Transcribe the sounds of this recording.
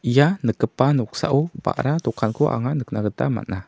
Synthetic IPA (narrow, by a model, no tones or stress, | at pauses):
ijanəkːəpanəuksa̰ʔupa̰ʔɾat̪ukʰankuʔa̰ŋanəknaɡət̪ama̰na